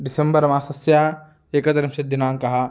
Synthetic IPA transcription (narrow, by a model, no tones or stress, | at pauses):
ɖisembɐɾɐmaːsɐsjaː | eːkɐt̪ɐɾɐmʃɐd̪inaːŋkɐɦɐ̆